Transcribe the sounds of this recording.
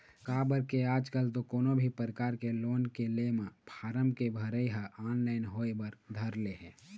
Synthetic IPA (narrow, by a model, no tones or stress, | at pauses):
kaːbəɾkeaːd͡ʒkəlt̪okoːnobʱipəɾəkaːɾkeloːnkelemãpʰaːɾəmkebʱəɾəiɦəʔaːnlaːɪnɦoːebəɾd̪ʱəɾleɦɛ̃ː